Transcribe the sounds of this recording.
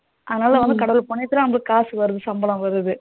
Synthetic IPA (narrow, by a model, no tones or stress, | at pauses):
ʔɐðɐnaːlɐʋɐnd̪ɯkɐɽɐʋlpɔɳːɛt̪ːɯlãnɐmŋɡɐɭɯkːkːaːsɯʋɐɾɯðɯsɐmbɐlɐ̃mʋɐɾɯðɯ